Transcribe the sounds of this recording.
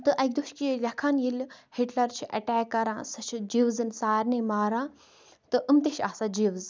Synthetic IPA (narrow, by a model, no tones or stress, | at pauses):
t̪ɨʔɐk̚ʲd̪uʃkilʲɐkʰanjilhiʈlɐɾt͡ʃʰiʔɐʈɛːkːɐɾãːsɐt͡ʃʰd͡ʒiʋzɨnsaːɾnemaːɾãː | t̪ɨʔɨmt̪eʃaːsad͡ʒiʋz